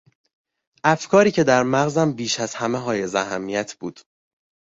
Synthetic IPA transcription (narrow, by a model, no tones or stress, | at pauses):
ʔæfkʰɒːɾiːcʰe̞d̪æɾmæɣzæmbiːʃæz̥hæmeɦɒːje̞zæɦæmːijæt̪ʰb̥uːd̪̥